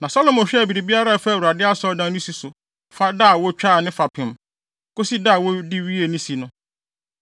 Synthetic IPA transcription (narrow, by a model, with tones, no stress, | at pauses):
nã˨sɔ˦lɔ˦˨mɔ̃˨ɕᶣɛ˦˨bi˨ɾi˨bi˦a˦ɾa˦˨fa˦˨wu˨a˨dɪ˦a˦sɔ˦dã˦nʊ̃˦si˨sʊ˨ | fa˦da˦˨wɔ˦t͡ɕᶣaː˦˨nɪ̃˦fa˨pʰɪ̃˨m | kʊ˦si˦da˦˨wɔ˦di˦ɥi˦e˨nĩ˦si˨nʊ̃˦